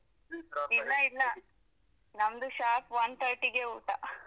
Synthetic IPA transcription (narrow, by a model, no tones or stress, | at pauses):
ilːɐilːɐ | nɐmd̪uʃaːpʋɐnt̪ʰɐɾʈiɡeuːʈa